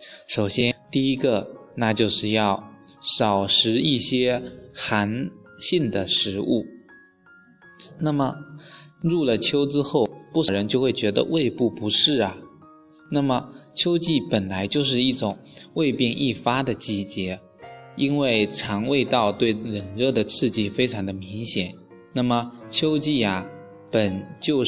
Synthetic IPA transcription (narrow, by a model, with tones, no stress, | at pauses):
ʂo˨˩ʊɕjɛ˥nt̪i˥˩i˥ɡə˧na˥˧t͡ɕjo˥˧ʊʂɻ̩˥˧jɑ˥˩ʊʂɑ˨˩ʊʂɻ̩˧˥i˥˩ɕjɛ˥xa˧˥nɕi˥˩nd̪ə˩ʂɻ̩˧˥u˥˩ | na˥˩mə˩ | ɻu˥˩lə˩t͡ɕʰjo˥ʊʈ͡ʂɻ̩˥xo˥˩ʊpu˥˧ʂə˩ɻə˧˥nt͡ɕjo˥˧ʊxwe˥˩ɪt͡ɕɥɛ˧˥d̪ə̰˧wʔe˥˧ɪpu˥˩pu˧˥ʂɻ̩˥˩ɐ˩ | na˥˩mə˩t͡ɕʰjo˥ʊt͡ɕi˥˩pə˨˩nla˧˥ɪt͡ɕjo˥˧ʊʂ̬ɻ̩˥˧i˥˩ʈ͡ʂʊ˨˩˦ŋwe˥˧ɪpji˥˧ŋʔi˥˩fa˥d̪ə˨t͡ɕi˥t͡ɕjɛ˧˥ | i˥nwe˥˩ɪʈ͡ʂʰɑ˧˥ŋwe˥˧ɪt̪ɑ˥˧ʊt̪we˥˩ɪɻə˨˩nɻɤ˥˩d̪ə˩t͡sʰɹ̩˥˧t͡ɕi˥˩fe˥ɪʈ͡ʂʰɑ˧˥ŋd̪ə˧mi˧˥ŋɕjɛ˨˩˦n | na˥˩mə˩t͡ɕʰjo˥ʊt͡ɕi˥˩ɐ˩ | pə˨˩nt͡ɕjo˥˧ʊ